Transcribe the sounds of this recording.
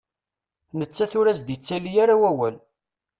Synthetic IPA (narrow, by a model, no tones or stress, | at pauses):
nət͡sːæθʊɾæsd̪it͡sːælijaɾawæwæl